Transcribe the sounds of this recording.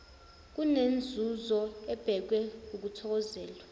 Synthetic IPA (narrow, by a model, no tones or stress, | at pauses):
k̬unend͡zʱuzɔɛb̥ʱɛk̬wɛuk̬utʰɔk̬ɔzɛːlwa